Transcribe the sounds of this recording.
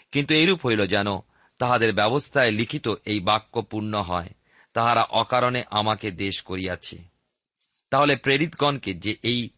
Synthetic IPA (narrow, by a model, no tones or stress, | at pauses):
kint̪uejɾupɦojlod͡ʑɛno | t̪aɦad̪eɾbɛbost̪ʰaelikʰit̪oʔejbakːopuɾnoɦɔe | t̪aɦaɾaʔɔkaɾoneʔamaked̪eʃkoɾijat͡ɕʰḛ | t̪aɦolepɾeɾit̪ɡɔnked͡ʑeʔej